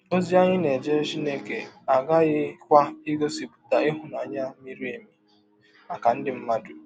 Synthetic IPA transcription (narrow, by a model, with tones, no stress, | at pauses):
o˦zi˦a˦ɲɪ˦ne˨d͡ʒe˦t͡ʃi˦neː˦ke˨a˨ɡa˦ɣɪ˦kʷa˦i˦ɡo˦si˨bu̥˨ta˨ɪ˦ɦʊ˨n˨a˨ɲa˦mi˦ɾi˦e˨mi˨ | a˨ka˨n̩˦dɪ˨m̩˦ma˦dʊ˨